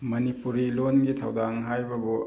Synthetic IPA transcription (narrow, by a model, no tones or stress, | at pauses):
mɐnipuɾilonɡitʰawdaŋɦajbɐbu